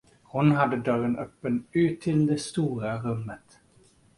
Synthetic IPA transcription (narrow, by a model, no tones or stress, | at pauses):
hʊnɦad̪ːəd̪œɾənʔœpːənʉːt̪ʰːɪld̪ɛst̪uːɾaɾɵmːət̪